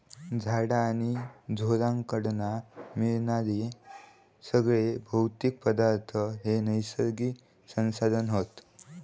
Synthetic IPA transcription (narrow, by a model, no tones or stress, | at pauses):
d͡zʱaɽaːñid͡zʱolãŋkəɽnamiɭnad̪i | səɡɭebʱəwt̪ik̚pəd̪aɾt̪ʰəɦenəjsəɾɡiː | sə̃ñsad̪ʱənɦot̪